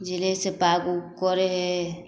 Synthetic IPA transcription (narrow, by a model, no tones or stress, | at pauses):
d͡ʒɪlesepaɡukɔɾeɦɛ